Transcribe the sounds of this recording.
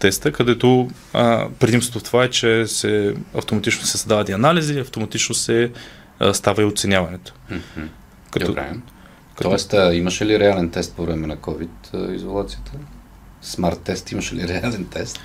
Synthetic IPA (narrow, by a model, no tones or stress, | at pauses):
t̪ɛst̪əkɐd̪ɛt̪o | pɾɛd̪imst̪ot̪oft̪ovaɛt͡ʃɛsɛɐ̰ft̪omɐt̪it͡ʃnosɛsɐd̪avɐt̪iɐnaliziɐft̪omɐt̪it͡ʃnosɛ | st̪avɐiot̪sɛnʲjavɐnɛt̪o̥ | kɐɾɛ̰ | kt̪ɔɛst̪əiməʃɛliɾɛalɛnt̪ɛst̪̚povɾɛmɛnɐkɔvit̪izolˠat̪sijət̪ʰə | smaɾt̪ːɛst̪iməʃɛliɾɛalɛnt̪ɛst̪